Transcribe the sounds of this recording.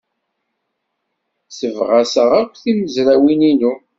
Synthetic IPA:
səvʁæsəʁækʷːθiməzɾæwininu

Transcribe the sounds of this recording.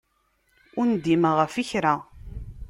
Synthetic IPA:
ʊnd̪iməʁəfiçɾa

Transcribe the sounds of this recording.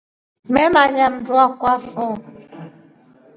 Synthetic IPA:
mɛmaɲam̩dwakwafɔ

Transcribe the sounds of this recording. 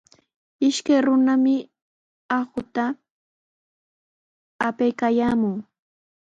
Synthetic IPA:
ɪʃkajɾʊnamɪ | axʊt̪a | pejkajaːmʊŋ

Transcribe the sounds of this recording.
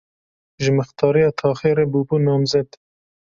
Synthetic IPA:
ʒɪmɨxt̪ɑːɾijɑːt̪ʰɑːxeːɾebuːbuːnɑːmzɛd̪

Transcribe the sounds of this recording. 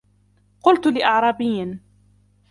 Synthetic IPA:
qʊlt̪lɪʔɑʕɾˤɑːbɪjːn

